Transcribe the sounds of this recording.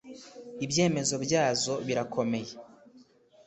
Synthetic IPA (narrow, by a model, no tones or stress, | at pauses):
ibje̞ːme̞zo̞bjaːzo̞βiɾakʰo̞me̞je